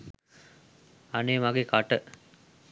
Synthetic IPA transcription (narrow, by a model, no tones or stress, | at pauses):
ɐneːmaɡekaʈə